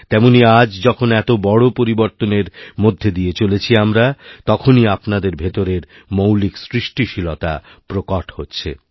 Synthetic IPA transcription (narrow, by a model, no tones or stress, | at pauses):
t̪ɛmoniad͡ʑd͡ʑɔkʰonɛt̪obɔɽopoɾiboɾt̪oneɾmod̪ʱːed̪ijet͡ɕolet͡ɕʰiamɾat̪ɔkʰoniapnad̪eɾbʱet̪oɾeɾ | mowliksɾiʃʈiʃilot̪a̰ | pɾokaʈhotːɕʰḛ